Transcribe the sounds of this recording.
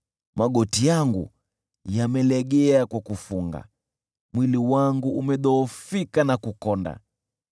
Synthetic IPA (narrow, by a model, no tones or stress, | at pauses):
maɠɔtijaŋɡṵ | jamɛlɛɡɛakwakufuŋɡa̰ | mwiliwaŋɡuumɛɗɔːfikanakukɔnda̰